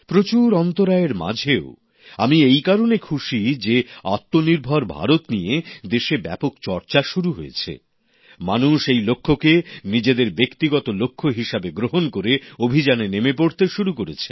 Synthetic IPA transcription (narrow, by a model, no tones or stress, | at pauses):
pɾot͡ɕuɾɔnt̪oɾaeɾma̰d͡ʑʱeo | a̰miejkaɾonekʰuʃid͡ʑea̰t̪ːoniɾbʱaɾbʱa̰ɾot̪nijed̪eʃebɛ̰pokt͡ɕɔɾt͡ɕaʃuɾuɦojḛt͡ɕʰḛ | manuʃejlokʰːokenid͡ʑed̪eɾbekt̪iɡɔt̪olokʰːoɦiʃabeɡɾoɦonkoɾeobʱid͡ʑanenemepoɽt̪eʃuɾukoɾḛt͡ɕʰe̥̰